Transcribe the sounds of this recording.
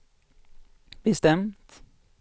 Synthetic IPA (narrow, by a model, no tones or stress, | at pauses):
b̥əst̪ɛmt̪